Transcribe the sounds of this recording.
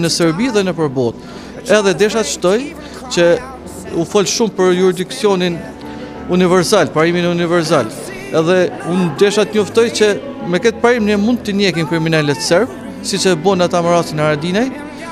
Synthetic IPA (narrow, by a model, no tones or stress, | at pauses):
nəsɛɾbiðɛnəpəɾbɔt̪̚ | ɛðɛd̪ɛʃat̪ʃt̪ɔj | t͡ʃə | ufɔlʃumpəɾjuɾid̪iksjɔnin | univɛɾsalpaɾiminunivɛɾs̬al | ɛðɛund̪ɛʃat̪ɲɔft̪ɔjt͡ɕə | mɛkɛt̪̚paɾimniɛmund̪̚t̪ːənjɛkinkɾiminɛlɛt̪sɛɾb̚ | sit͡ʃɛbɔnat̪aməɾasinaɾad̪inaj